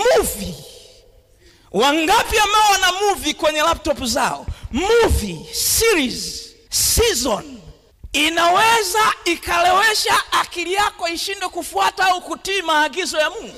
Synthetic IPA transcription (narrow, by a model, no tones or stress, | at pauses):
muvi | waŋɡapiamawanamuvikwɛɲɛlap̚tɔpuzaɔ̰muvisiɾiz | sizɔn | inawɛzaikalɛwɛʃaʔːkilijakɔiʃindwɛkufuataaukutiːmaːɡizɔjamuvi